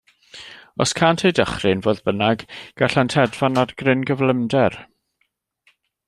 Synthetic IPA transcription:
ɔ̰skʰaːntʰejdəχrɨnvoːðbənaɡɡ̥aɬantʰɛdvanarɡ̥rɪnɡəvləmdɛr

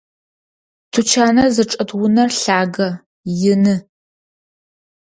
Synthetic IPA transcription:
tʰut͡ʃʰaːnɐzɐʈ͡ʂʼɐdwʊnɐrɬaːɡɐ | jɪnɨ

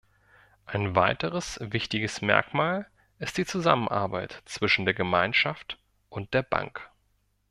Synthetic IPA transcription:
ʔaɪnvaɪtəʁəsvɪçtɪɡəsmɛ̰ɐkmaːl | ʔɪst̚d̥iːt͡suza̰mənʔa̰ɐbaɪtt͡sv̥ɪʃn̩deːɐɡəmaɪnʃaft | ʔʊnt̚d̥eːɐba̰ŋk

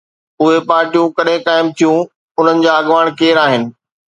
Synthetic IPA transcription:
ʊɦepaːɾʈijũkɐɗɦɪ̃kaːɪmt̪ʰijũ | ʊn̤ənɪ̆d͡ʑaːɐɠʋaːɽ̃keːɾaːɦɪnɪ̆

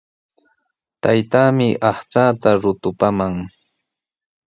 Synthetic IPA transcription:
t̪ajt̪aːmɪʔɑχt͡saːt̪aɾʊt̪ʊpamaŋ

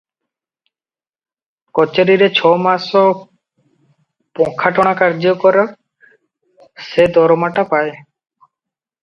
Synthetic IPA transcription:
kɔt͡ʃeɾiɾet͡ɕʰɔmasɔ | pɔŋkʰaʈɔɽ̃akaɾd͡ʒɔkɔɾa | sed̪ɔɾɔmaʈapae

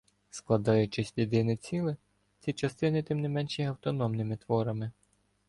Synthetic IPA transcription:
sklˠɐd̪ɑjʊt͡ʃɪsʲlʲid̪ɪnɪt͡sʲilˠɪ | t͡sʲit͡ʃɐst̪ɪnɪt̪ɪmnɪmɛnʃɛjɐwt̪ɔnɔmnɪmɪt̪ʋɔɾɐmɪ

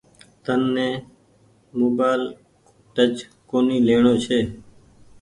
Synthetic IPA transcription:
t̪ənːẽː | moːbaːl | ʈət͡ʃkoːniːleːɳoːt͡ʃʰeː

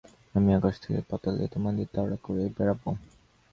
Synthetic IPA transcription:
amiaɡaʃt̪ʰekḛpɔt̪elḛt̪omand̪it̪aɽakoɾejbɛɾabo

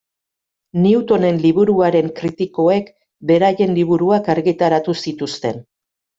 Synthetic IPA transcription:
niut̪o̞ne̞nliβuɾuaɾe̞ŋkɾit̪iko̞e̞k | be̞ɾaje̞nliβ̞uɾuakaɾɣit̪aɾat̪usit̪ust̪e̞n

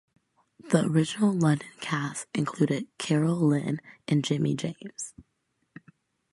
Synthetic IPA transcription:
ðiə̰˞ɪd͡ʒɨnl̩ˠlʌ̃ndɨ̃nkʰæsɨ̃nkʰl̥ʉɾɪd̚kʰɛɹl̩ˠlɪ̃nʔɨ̃nd͡ʒɪ̃mid͡ʒẽɪ̃mz̥

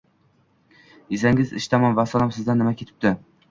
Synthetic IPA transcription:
ɪzaŋʲɪzɪ̰ʃt̪ʰamɒnvasɒnamsɪzd̪anːɪmakʲʰet̪ʰɪ̥p̚t̪ɪ

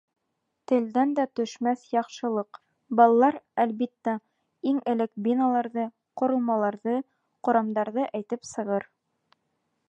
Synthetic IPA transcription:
t̪ɘ̆ld̪ænd̪æt̪ɵ̆ʃmæθjɑqʃɤ̆lˠɤq | bɑlˠɑlˠɑɾælbit̪ːæ | iŋɘ̆lɘkbinɑlˠɑɾðɤ | qŏɾɤ̆lˠmɑlˠɑɾðɤ | qŏɾɑmd̪ɑɾðɤʔæjt̪ɘpsɤ̆ʁɤɾ

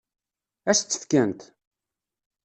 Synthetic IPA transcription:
æst͡sːə̥θkənt̪

